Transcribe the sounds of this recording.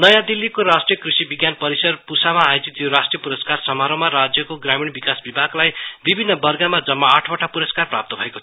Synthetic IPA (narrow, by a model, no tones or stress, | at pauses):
nʌjãd̪ilːikoɾasʈrijʌkrisibiɡjanpʌɾisʌrpusamaːjod͡zit̪joɾasʈrijʌpuɾʌskarsʌmaɾomaɾad͡zjʌkoɡramiɽbikasbibʱaɡlajbibʱinːʌbʌrɡamad͡zʌmːaaʈʰbʌʈʰapuɾʌskarprap̚t̪ʌbʱʌekotʰ